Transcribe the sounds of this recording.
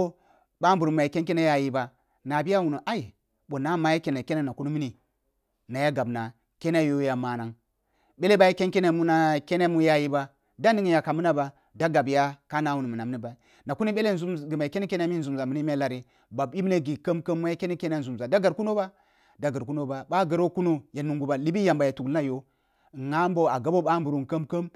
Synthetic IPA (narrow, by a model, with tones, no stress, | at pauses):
o˦ | ba˦m˦bu˨ɾm˨a˨ji˨ke˦nke˦ne˦ja˦ji˦ba˨ | na˨bi˦ja˦wu˨ni˨ʔa˦i˨ | ɓo˨na˦ma˨˦ja˦ke˨na˨ke˦ne˦na˨ku˦ni˦mi˦ni˨ | na˨ja˦ɡa˨bna˨ | ke˦na˦jo˦ja˨ma˨na˦ŋ | be˦le˦ba˦ji˦ke˦nke˦ne˦mu˦na˦ke˦ne˦mu˦ja˦ji˦ba˨ | da˦n˦di˦ŋi˨ja˨ka˨mu˦na˦ba˨ | da˦ɡa˨bja˦ka˦na˦wu˨ni˨mu˨na˨m˦ni˦ba˨ | na˨ku˦ni˦ɓe˦le˦n˨u˦˨ɡi˨ma˨i˨ke˦ni˦ke˦na˦mi˦n˦zu˨m˨za˨mi˨ni˦me˦la˨ɾi˨ | ba˨ɓi˦m˦ne˦ɡi˨kə˦mkə˦mːu˦ja˦ke˦ni˦ke˦na˦n̩˨zu˨mza˨da˦ɡa˨ɾku˦no˦ba˦ | da˦ɡa˨ɾku˦no˦ba˨ba˦ɡə˨ɾo˦ku˦no˦ja˨nu˨ŋɡu˨ba˨li˦bi˦ja˨mba˨ja˨tu˨kla˦jo˦˨ | ŋa˦mbo˦˨a˨ɡa˦bo˦ɓa˦mbu˨ɾu˨nkə˦mkə˦m